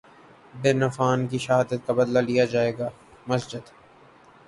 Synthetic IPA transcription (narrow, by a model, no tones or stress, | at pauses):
b̪ɪɾnɐfaːnk̬iʃɐɦaːd̪ət̪̚kabɐd̪lalijad͡ʒaːeːɡaː | mɐsd͡ʒɪd̪